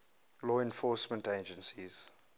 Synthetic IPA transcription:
lɔɛ̃nfɔˑsmə̃nted͡ʒə̃nsiz̥

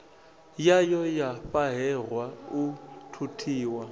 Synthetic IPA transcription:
jajɔjafaɦɛrwautʰutʰiːwa

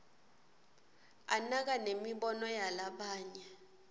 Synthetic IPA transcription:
anak̬anemiɓɔnɔjalaɓaːɲɛ

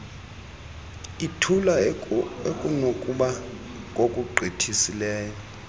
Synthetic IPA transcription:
itʰula | ekʼunokʼuɓa | kʼokʼuǃʱitʰisilɛːjɔ

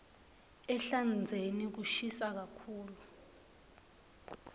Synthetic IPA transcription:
ɛɬand͡zʱenik̬uʃisak̬akʰuːlu

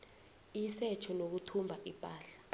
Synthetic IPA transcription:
isɛt͡ʃʰɔnok̬utʰumbʱaʔipʼaːɬḁ

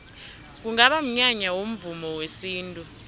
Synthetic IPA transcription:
k̬uŋaɓam̩ɲaɲawom̩vumɔwesiːntʼu

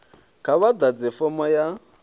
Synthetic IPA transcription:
kʰaβad̪ad͡zɛfɔmɔja

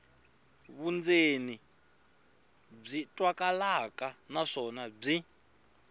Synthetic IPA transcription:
βund͡zeni | b͡ʐitʼwakʼalakʼanaʂɔnab͡ʐi

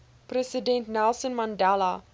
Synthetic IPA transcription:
prɛsidɛ̃ntnælˠsənmandɛla

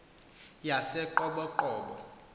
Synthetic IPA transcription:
jasɛǃɔɓɔǃɔːɓɔ̰

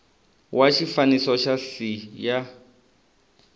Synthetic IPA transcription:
waʃifanisɔʃasija

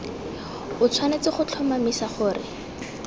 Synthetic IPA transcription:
ʊt͡sʰwanet͡sɪχʊt͡ɬʰɔmamisaχʊːrɪ̰

